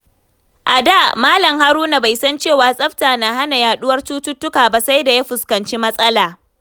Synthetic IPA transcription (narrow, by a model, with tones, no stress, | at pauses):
ʔa˨daː˦˨maː˦lɐ˨ŋha˦ɾuː˦na˨ba˨jsɐ˦nt͡ʃeː˦˨waː˨sʼɐ˦ɸtaː˨na˨ɦa˦na˨jaː˨ɗʊ˦wɐ˦rt͡ʃuː˦tʊ˦tːʊ˦kaː˨ba˦sa˦jda˨ja˦ɸʊ˨skɐ˨nt͡ʃi˦mɐ˦sʼɐ˦laː˨